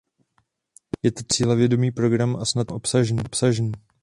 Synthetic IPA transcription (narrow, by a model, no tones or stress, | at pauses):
jɛt̪ot͡siːlɛvjɛdo̞miːpɾo̞ɡɾamʔasnat̪ʔo̞psaʒniːpsaʒniː